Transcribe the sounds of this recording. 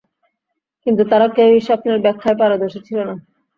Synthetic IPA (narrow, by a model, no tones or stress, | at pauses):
kint̪ut̪aɾakewiʃɔpneɾbɛkʰːaepaɾod̪oʃet͡ɕʰilona